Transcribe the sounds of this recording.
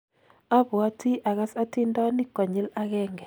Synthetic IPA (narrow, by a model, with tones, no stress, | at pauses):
a˦bwa˦ti˦ʔa˨ɣa˦sa˦ti˦nda˦ni˦kwa˨ɲi˦la˦ɣɛ˦ŋɡɛ˨